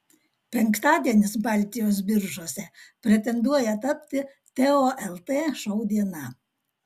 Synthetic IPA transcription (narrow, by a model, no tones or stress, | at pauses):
pʲɛŋˑkt̪ɑːd̪ʲiɛnʲɪsbɑˑlʲˑt̪ʲɪjoːs̬bʲɪɾʒuɔsʲɛpʲɾʲɛt̪ʲɛnd̪uɔjɛt̪ɐpʲt̪ʲɪ | t̪ʲɛoːʔɛlˠt̪eːʃɐʊd̪ʲiɛnɐˑ